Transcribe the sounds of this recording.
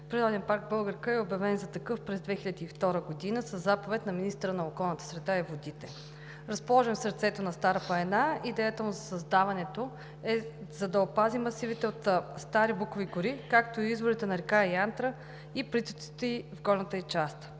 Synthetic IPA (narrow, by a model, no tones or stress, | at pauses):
pɾɛɾɔd̪ɛnpaɾɡ̚bɤlˠɡəɾkəɛobjɐvɛnzɐt̪ɐkɤfpɾɛzd̪vɛxilʲəd̪iːft̪ɔɾəɡod̪inəsəzːapovɛt̪nɐminist̪əɾənɐokɔlˠnət̪ə̥sɾɛd̪aivod̪it̪ɛ | ɾɐspolˠɔʒɛmsəɾt̪sɛt̪onɐst̪aɾəpɐɛnaid̪ɛjət̪əmʊzɐsɐzd̪avɐnɛt̪o | ɛzɐd̪ɐopazimɐsivit̪ɛot̪st̪aɾibukoviɡʊɾikak̚t̪oiizvoɾit̪ɛnɐɾɛkaiant̪ɾə | iplit̪ut̪i̥t̪ɛivɡɔɾnət̪əit͡ʃast̪